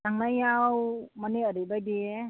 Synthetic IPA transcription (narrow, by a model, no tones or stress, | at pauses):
aŋlajawmanɛəɾibajdiɛ